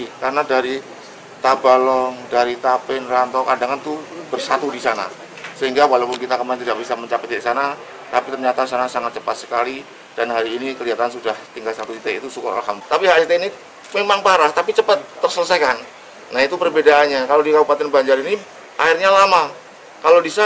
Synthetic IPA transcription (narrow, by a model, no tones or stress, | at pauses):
kaɾənadaɾi | t̪abalɔŋdaɾit̪apɪnrant̪ɔkandaŋant̪ubərsat̪udisana̰ | səɦiŋɡawalapʊnkit̪akəmaɪnt̪idaʔbisaməɲt͡ʃapət̪̚isana | t̪apit̪ərɲat̪asanasaŋat̪̚t͡ʃəpat̪sə̥kali | d̥anɦaɾiːnikəliɦat̪ansudaht̪iŋɡalsat̪usit̪eḭt̪usuka̰a̰lɦamt̪apiɦasit̪eini | memaŋpaɾast̪apit͡ʃəpət̪ːərsələsajkanː | ait̪upərbedaʔːnɲakalodikabupat̪ɛnbaɲd͡ʒaɾini | ʔairɲalama | kalodisa